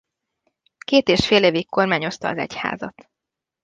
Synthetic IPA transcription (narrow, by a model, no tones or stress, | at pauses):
keːt̪eːʃfeːleːvikkːo̞rmaːɲo̞st̪ɒːzɛ̰cha̰ːzɒt̪